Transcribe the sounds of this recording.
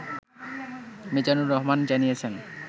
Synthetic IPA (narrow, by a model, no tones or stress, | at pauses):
mid͡ʑanuɾɔɦmand͡ʑanijet͡ɕʰen